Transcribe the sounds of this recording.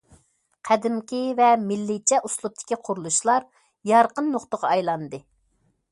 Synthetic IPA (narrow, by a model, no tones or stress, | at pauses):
qʰæd̪ɪmkʲivɛmɪlːɪt͡ʃʰɛʔuslˠup̚t̪ʰɪ̥kʲiqʰʊɾulˠuʃlˠɑɾ | jɑɾqənːoχt̪əʁɑɑjlˠɑnd̪ɨ